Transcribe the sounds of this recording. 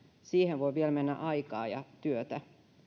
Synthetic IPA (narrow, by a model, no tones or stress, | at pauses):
siːhenʋoiʋielmenːæ̰ʔɑjkɑːjɑt̪yøt̪æ